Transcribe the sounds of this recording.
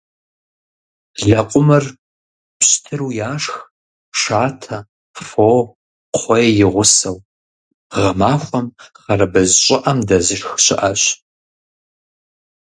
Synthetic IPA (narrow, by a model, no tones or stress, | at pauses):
ɮɐqʷʼʊmɨr | pɕtʰɨɾuːjaːʂx | ʂaːtʰɐ | foː | qʰʷɔjɛjɪʁʷʊsɐw | ʁɐmaːxʷɔmχɐrɐbɐzɕʼɪʔɐmdɐzɨʂxɕɪ̰ʔɐɕ